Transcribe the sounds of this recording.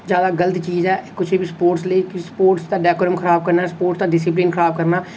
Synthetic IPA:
d͡ʒjaːd̪aːɡələt̪t͡ʃiːzɛːkʊt͡ʃʰbʱispoːɾʈsleikspoːɾʈst̪aɖɛːkoːɾəmxʰəɾaːb̚kəɾnaɛːspoːʈst̪aɖɪsɪpliːnxəɾaːb̚kəɾnaː

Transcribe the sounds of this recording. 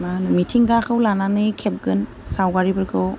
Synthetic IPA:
manumitʰiŋɡakʰɯwlananɯjkʰep̚ɡɯn | sawɡaɾibɯɾkʰɯw

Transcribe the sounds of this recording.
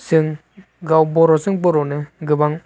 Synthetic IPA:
sɯŋ | ɡawbɔɾɔsɯŋboɾɔneɡɯbaŋ

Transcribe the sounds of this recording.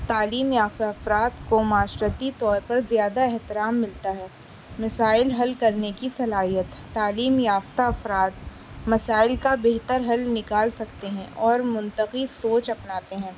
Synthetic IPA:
t̪aːliːmjaːft̪aɐfɾaːt̪komaːʃɾət̪it̪ɔːɾpɐɾzijaːd̪aɛɦt̪ɪɾaːmːɪlt̪aɦɛː | mɐsaːɪlɦɐlkɐɾnekisɐlaːɦijət̪ːaːliːmjaːft̪aɐfɾaːt̪ | mɐsaːɪlkabeɦt̪əɾɦɐlnɪkaːlsɐkt̪eɦɛ̃ʔɔːɾmʊ̃nt̪əqisoːt͡ʃɐpnaːt̪eɦɛ̃ː

